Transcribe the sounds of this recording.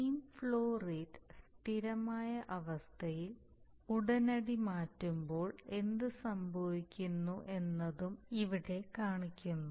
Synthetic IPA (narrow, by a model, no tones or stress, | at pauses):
iːmfɭoːriːdst̪ʰiɾɐmaːjɐʔɐʋɐst̪ʰɐjil | uɽɐnɐɽimaːtːumbo̞ːɭe̞nd̪ɨsɐmbʱɐʋikʲːunːuʔe̞nːɐðumiʋiɽe̞kaːɳikʲːunːu